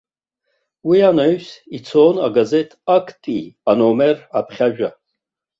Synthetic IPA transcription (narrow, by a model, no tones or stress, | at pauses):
wianaɥsit͡sʰonaɡaze̞tʰʼakʰtʼianomerapʰχʲaʒᶣa